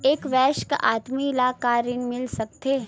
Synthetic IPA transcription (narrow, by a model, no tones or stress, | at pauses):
eːkʋɛːʃkʔa̰ːt̪milaːkaːɾɪnmɪlsɐk̚t̪eː